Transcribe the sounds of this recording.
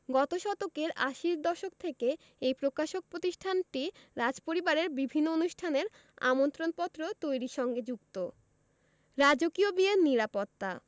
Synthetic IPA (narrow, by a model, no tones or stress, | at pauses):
ɡɔt̪oʃɔt̪okeɾaʃiɾd̪ɔʃok̚t̪ʰeke | ejpɾokaʃok̚pɾot̪iʃʈʰanʈiɾad͡ʑpoɾibaɾeɾbibʱinːoonuʃʈʰaneɾ | a̰mont̪ɾonpɔt̪ːɾot̪ojɾiʃɔŋɡed͡ʑukt̪o | ɾad͡ʑokiobieniɾapot̪ːa